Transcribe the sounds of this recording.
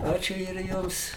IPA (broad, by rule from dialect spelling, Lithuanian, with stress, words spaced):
ˈɑːt͡ʃʲʊ ɪr ˈjʊms